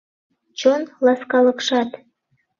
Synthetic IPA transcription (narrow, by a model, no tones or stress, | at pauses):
t͡ɕonlɑskɑlɤkʃɑt̪